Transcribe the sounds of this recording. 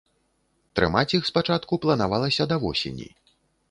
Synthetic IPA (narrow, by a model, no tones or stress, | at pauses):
t̪ɾɨ̰mat͡sʲixspat͡ʂat̪kuplˠɐnavalˠɐsʲɐd̪ɐvɔsʲḛnʲḭ